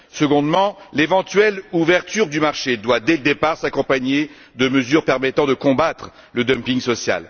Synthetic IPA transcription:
səɡɔ̃d̪mɑ̃levɑ̃t̪ɥɛluvɛʁt̪yʁd̪ymaʁʃed̪wad̪ɛləd̪epaʁsakɔ̃paɲe | d̪əməzyʁpɛʁmɛt̪ɑ̃d̪əkɔ̃bat̪χ | ləd̪ɔmpiŋɡsɔsja̰l

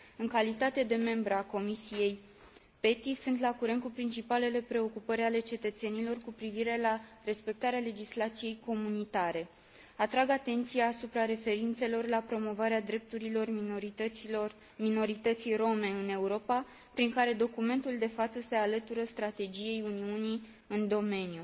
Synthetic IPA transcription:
ɨŋkalit̪at̪e̞d̪e̞me̞mbɾeako̞misije̞j | pe̞t̪isunt̪lakuɾent̪̚kupɾint͡ʃipale̞le̞pɾe̞o̞kupəɾʲale̞t͡ʃe̞t̪ət̪se̞nilo̞rkupɾiviɾe̞lare̞spe̞k̚t̪aɾeale̞d͡ʒislat̪sije̞jko̞munit̪aɾe̞ | at̪ɾaɡat̪e̞nt̪sijaːsupɾaɾe̞fe̞ɾint̪se̞lo̞rlapɾo̞mo̞vaɾead̪ɾe̞p̚t̪uɾilo̞rɾio | mino̞ɾit̪ət̪sijro̞me̞ɨne̞uɾo̞pa | pɾiŋkaɾe̞d̪o̞kume̞nt̪uld̪e̞fat̪səse̞alət̪uɾəst̪ɾat̪e̞d͡ʒije̞juniuni | ɨnd̪o̞me̞nju

